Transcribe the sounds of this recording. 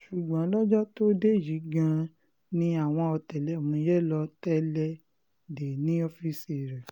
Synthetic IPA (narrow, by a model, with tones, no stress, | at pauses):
ʃu˨ɡ͡bã˨˦lɔ˦d͡ʒɔ˦to˦de˦˨ji˨˦ɡã˦˧ | nĩ˧a˨w̃ɔ̃˧ɔ˧tɛ˨lɛ˨˦o˨mũ˧jɛ˦lɔ˧tɛ˦lɛ˦ | de˨nĩ˨˦ɔ˧fi˧si˦˨ɾɛ˨